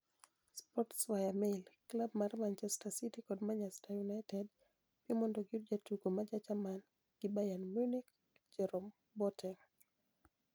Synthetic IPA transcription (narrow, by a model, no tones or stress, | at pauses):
spɔtswajamelklab̚maɾmant͡ʃɛstasitikɔdmaɲɛstajunajtɛd | pimɔndɔɡuɾd͡ʒatuɡɔmad͡ʒat͡ʃaman | ɡ̥ibajanmunik̚ | d͡ʒɛɾɔm | bɔtʰɛ